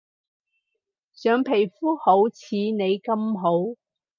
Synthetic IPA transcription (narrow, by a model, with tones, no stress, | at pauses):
sœː˨˧ŋpʰe˨˩jfuː˥ho˨˥wt͡sʰiː˨˧ne˨˧jkɐ˧mɦo˨˥w